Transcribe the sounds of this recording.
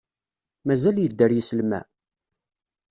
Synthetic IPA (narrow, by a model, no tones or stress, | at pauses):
mæzæljəd̪ːəɾjisəlmæ̰